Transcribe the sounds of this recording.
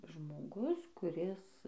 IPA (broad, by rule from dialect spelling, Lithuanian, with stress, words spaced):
ʒmoːˈɡʊs kʊˈrʲɪs